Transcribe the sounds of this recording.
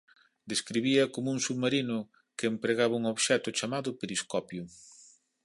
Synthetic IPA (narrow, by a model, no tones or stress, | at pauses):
d̪eskɾiβiɐkomuŋsuβmaɾinʊ | keːmpɾeɣaβɐuŋoβʃɛt̪ʊt͡ʃamaðʊpeɾiskɔpjʊ